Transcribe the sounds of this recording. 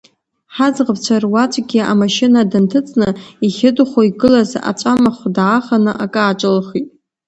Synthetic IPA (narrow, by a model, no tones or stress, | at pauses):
ħazʁəpt͡ɕʷʰarwat͡ʃʷʼɡʲia̰maʃɪnadɨntʰɨt͡sʼnɨiχʲɪdχʷoiɡɨlaza̰t͡ʃʷʼamaχʷdʕaχanɨʔakʼaːt͡ʃʼɨlχitʼ